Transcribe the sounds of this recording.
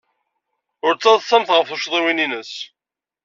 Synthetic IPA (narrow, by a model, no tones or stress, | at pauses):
ʊɾt͡sːɑðsæmθʁəfuʃðˤiwininəs